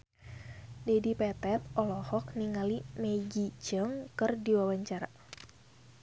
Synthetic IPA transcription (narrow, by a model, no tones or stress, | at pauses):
dɛdipɛt̪ɛt̪̚ɔlɔhɔk̚niŋalimeɡid͡ʒəŋkɨrdiwawaɲt͡ʃaɾa̰